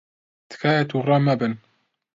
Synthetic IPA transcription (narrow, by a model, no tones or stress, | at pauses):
t̪ʰɨ̥kʰaːjɛt̪ʰuːrˤɑːmɐbɨn